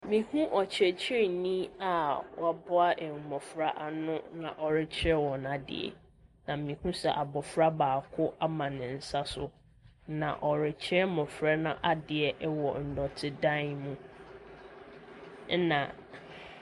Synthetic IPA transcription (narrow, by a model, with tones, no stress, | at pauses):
mĩ˨hũ˦ʔɔ˨t͡ɕʰɾɛ˨t͡ɕʰɪ˦ɛ˨nĩ˦a˨wa˨bɔ˦a˦ʔɛ˨mɔ̃˨fɾa˦ʔa˨nʊ̃˦nã˨ʔɔ˨ɾɪ˦t͡ɕʰɪ˦ɛ˦wɔ˨na˨dɪ̰˨ɛ̰˨ | nã˨m̩˨mĩ˨hũ˦sɛ˨ʔa˨bɔ˨fɾa˦baː˨kʰʊ˦ʔa˦mã˨nɪ̃˨n̩˨sa˦sʊ˨ | nã̰˨ʔɔ˨ɾɪ˨t͡ɕʰɾɛ˦mɔ̃˨fɾa˦nã˨ʔa˦dɪ˨ɛ˨ʔwɔ˨n̩˨dɔ˨tʰɪ˦dã˦nmũ˦ | nã̰˨